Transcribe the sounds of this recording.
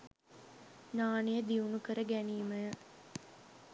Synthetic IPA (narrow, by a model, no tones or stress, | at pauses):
naːnejəd̪iunukəɾəɡæniːməjə